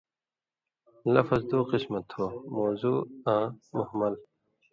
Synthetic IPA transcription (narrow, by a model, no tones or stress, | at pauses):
lɐfɐzd̪uːqismɐt̪hoːmoːzuːãːmʊhmɐl